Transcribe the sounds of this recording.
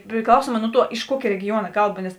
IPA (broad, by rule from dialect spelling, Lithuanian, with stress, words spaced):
pʲrʲɪˈklˠɐʊsuɔmɑː ˈnʊ ˌtuɔ ɪʃ ˈkuɔkʲeː rʲɛɡʲɪˈjuɔnɐ ˈkɐlˠˌbɐ nʲɛs